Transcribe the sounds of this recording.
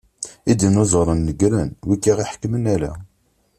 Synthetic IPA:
id̪ənozˤəɾˤənːəɡɾænwikːiʁiħə̥kːmənælæ̰

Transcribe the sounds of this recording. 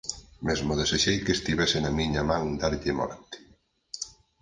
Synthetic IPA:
mezmoðeseʃejkest̪iβɛsɪnɐmiɲɐmãŋd̪aɾʎemɔ̰ɾt̪ɪ̥

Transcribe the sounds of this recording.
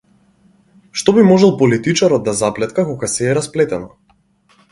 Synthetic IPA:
ʃt̪ɔbimɔʒɛlˠpɔlit̪it͡ʃaɾɔd̪̚d̪azaplɛt̪kakɔɡasɛːɾasplɛt̪ɛnɔ

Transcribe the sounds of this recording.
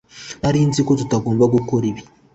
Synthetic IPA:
aɾiːnzikotutaɡo̞ːmbaɡukoɾiβi

